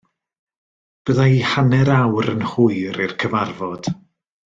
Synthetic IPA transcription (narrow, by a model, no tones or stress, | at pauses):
b̥əðaihanɛɾawɾə̰nhʊɨɾirkʰəvarvɔd̥